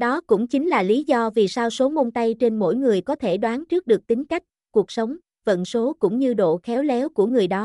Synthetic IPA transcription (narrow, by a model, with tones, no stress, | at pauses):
ɗɔ˨˦kʊ̰˧˥ŋ͡mt͡ɕi˨˦ŋ̟laː˨˩li˨˦zɔ˧vi˨˩saː˧wso˨˦mo˧nt̪a˧jt͡ɕe˧nmo̰˧˥jŋɨ˨˩əjkɔ˨˦t̪ʰe˧˩ɗwaː˨˦nt͡ɕɨ˦˥ək̚ɗɨ˨˩ək̚t̪ï˨˦ŋ̟ka˦˥jk̟̚ku˨˩ək̚sə˨˦wŋ͡m | və̰˧˨nso˨˦kʊ̰˧˥ŋ͡mɲɨ˧ɗo̰˧˨xɛ˨˦wlɛ˨˦wku˧˩əŋɨ˨˩əjɗɔ˨˦